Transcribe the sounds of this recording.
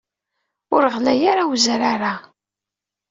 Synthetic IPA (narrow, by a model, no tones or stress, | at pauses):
ʊɾəʁlæjaɾawzɾaɾa